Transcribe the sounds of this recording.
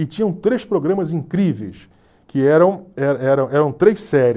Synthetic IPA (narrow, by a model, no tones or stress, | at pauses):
ɪt͡ʃĩɲɐ̃w̃t̪ɾejspɾoɡɾɐ̃mɐzĩŋkɾivejs | kɪɛɾɐ̃w̃ɛɾɐɛɾɐ̃w̃ɛɾɐ̃w̃t̪ɾejsɛɾ